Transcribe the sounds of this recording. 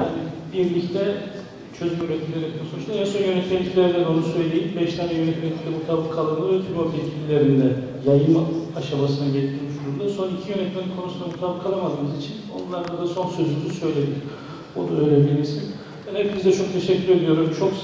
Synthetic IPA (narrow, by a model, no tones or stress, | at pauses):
hanibiɾlʲict̪ʰɛ | t͡ʃʰø̞zmɛyɾɛt̪ʰʲːilʲeɾɛc̪usouʃaɛnso̞njø̞nɛt̪melʲic̪ʲʰilʲæɾd̪æno̞nusø̞jlʲejimbɛʃt̪ʰanɛjø̞nɛt̪met̪ʰid̪ɛbut̪ʰabɯkʰalˠat̪ʰyɾmabiilʲilʲeɾind̪ɛ | jajɯmaʃabasɯnaɟet̪ʰiɾmiʃd̪uɾund̪aso̞nicʰijø̞nɛt̪meninkʰo̞nusund̪abut̪ʰabˠkʰalˠamad̪ɯːmɯzit͡ʃʰino̞̰nlˠaɾd̪ad̪aso̞nsø̞zynsø̞jlʲed̪iɾ | onuø̞jlʲɛbilʲiɾsin | ɛnɛbizd̪ɛt͡ʃʰo̞k̚t̪ʰe̞ʃɛcːyɾed̪ʲijo̞ɾumt͡ʃʰo̞k